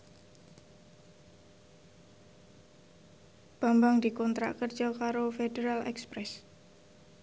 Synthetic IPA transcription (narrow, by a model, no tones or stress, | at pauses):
b̥a̤mbaŋd̪ikɔnt̪ɾa̰ʔkərd͡ʒɔkaɾofedeɾalɛ̰kspɾɛs